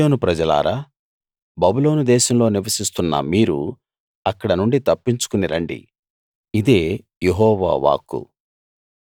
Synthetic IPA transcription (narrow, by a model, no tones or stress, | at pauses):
oːnupɾɐd͡ʒɐla̰ːɾa | bɐbulo̞ːnud̪ɛːʃɐmlo̞ːniʋɐsist̪unːɐ̰miːɾṵ | ɐkːɐɽɐnuɳɖit̪ɐpːiɲt͡ʃu̥kuniɾɐɳɖḭ | id̪eː | jeɦɔːʋa̰ːʋa̰ːkːṵ